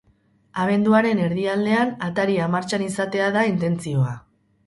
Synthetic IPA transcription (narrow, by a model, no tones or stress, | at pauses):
aβ̞e̞nd̪uaɾe̞ne̞ɾðiald̪e̞anat̪aɾiamaɾt͡ʃanisat̪e̞aðaint̪e̞nt͡sio̞a